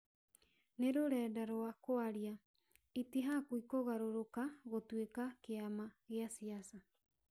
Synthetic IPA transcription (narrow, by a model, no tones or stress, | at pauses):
neɾoɾɛːdaɾoakoaɾia | itiɦakwikoɣaɾoɾokaɣotwekakeamaɣeasiasa